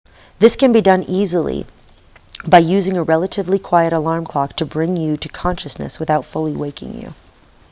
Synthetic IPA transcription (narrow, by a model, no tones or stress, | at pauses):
ðɪskɨ̃nbidʌ̃nizl̩ˠḭ | baɪjʉzɪ̃ŋɨɹɛlˠəɾɨvlikʰw̥aɪɨɾəlɑɹmkʰl̥ɑk̚tʰɨbɹɪ̃ŋjɨɾɨkʰɑ̃nʃɨsnɨ̰swɨθaʊtfʊlˠiweɪkɪ̰̃ŋjʉ̰